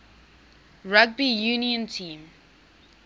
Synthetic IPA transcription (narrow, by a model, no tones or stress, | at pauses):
ɹaɡ̚bijuniə̃ntʰĩːm